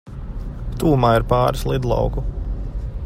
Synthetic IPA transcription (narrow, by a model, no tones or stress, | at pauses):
t̪uːmaːiɾpɑːɾislˠid̪lˠɑ̰wku